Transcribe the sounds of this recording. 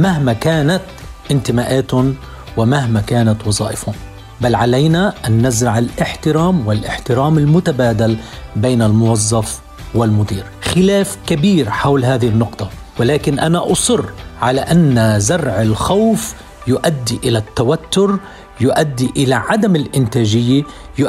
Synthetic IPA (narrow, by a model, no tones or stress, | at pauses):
maɦmakaːnat̪ | ʔɪnt̪ɪmaːʔaːt̪ʊn | wɪmaɦmakaːnat̪wɑzˤɑːʔɪfʊn | balːʕalajnaʔanːazɾɑʕɪlʔɪħt̪ɪɾaːmwɪlʔɪħt̪ɪɾaːmɪlmʊt̪abaːd̪albeːnalmʊwɑzˤːɑf | wɪlmʊd̪iːɾxɪlaːfkabiːɾħawlɦaːðɪhɪnːʊqt̪ˤɑ | wɪlaːkɪnʔanaʔɑsˤʊrːʕalaʔanːazaɾˤʕɪlxawf | jʊʔad̪ːiʔɪlat̪ːawat̪ːʊɾ | jʊʔad̪ːiʔɪlaʕad̪amɪlʔɪnt̪aːʒɪjːa | j